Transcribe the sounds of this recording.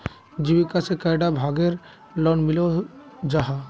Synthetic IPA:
d͡ʒibikasekajɖabʱaɡeɾ | lɔnmilod͡ʒaɦa

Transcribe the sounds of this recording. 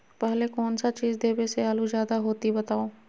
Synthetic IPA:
pɛɦlekɔːnsat͡ʃiːd͡ʒd̪eːbeseaːlud͡ʒjaːd̪aɦoːt̪ibɐt̪aːo

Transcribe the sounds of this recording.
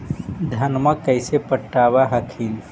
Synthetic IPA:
d̪ʱɐnməkəɪsepəʈːaːbaɦəkʰiːl

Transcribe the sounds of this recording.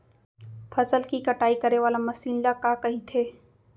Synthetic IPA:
fʰɐsəlkikɐʈaːikɐɾeʋaːlamɐsiːnlakakɐɦit̪ʰeː

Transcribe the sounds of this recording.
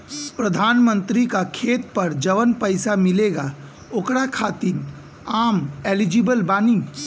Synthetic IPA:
pɾəd̪ʱaːnmə̃nt̪ɾikakʰeːt̪pɐɾd͡ʒəʋənpəɪsamɪleːɡa | okɽakʰaːt̪in | aːmeːlid͡ʒibəlbaːni

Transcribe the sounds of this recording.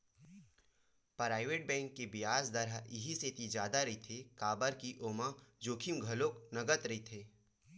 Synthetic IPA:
pɾaːɪʋeːʈ̚bɛ̃ːŋkːebɪjaːsd̪ɐɾaɪɦiseːt̪id͡ʒjaːd̪aɾɐɦit̪ʰekaːbəɾkiʔoːmãd͡ʒoːkʰimɡʱɐloknɐɡət̪ɾɐɦit̪ʰeː

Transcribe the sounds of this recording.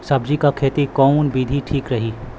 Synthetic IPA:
sɐbd͡ʒikakʰeːt̪ikɔːnbiːd̪ʱiʈʰiːkɾɐɦiː

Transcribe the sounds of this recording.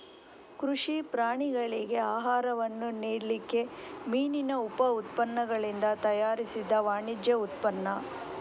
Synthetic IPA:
kɾuʂipɾaːɳiɡɐɭiɡe̞aːɦaːɾɐʋɐnːuniːɽlikːe̞miːninɐupɐut̪pɐnːɐɡɐɭind̪ɐt̪ɐjaːɾisid̪ːɐʋaːɳid͡ʒjɐut̪pɐnːɐ

